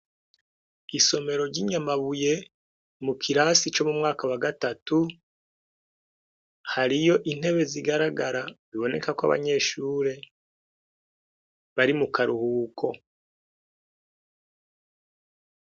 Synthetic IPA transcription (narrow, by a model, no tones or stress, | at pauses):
iso̞me̞ɾo̞ɾɟiːɲamaβuje̞ | mukʰiɾasit͡ʃo̞mumŋaːkawaɡatatu | haɾijo̞ʔin̥he̞βe̞ziɡaɾaɡaɾaziβo̞ne̞kakwa̰βa̰ɲe̞ːʃuːɾe̞ | βaɾimukaɾuhuːkʰo̞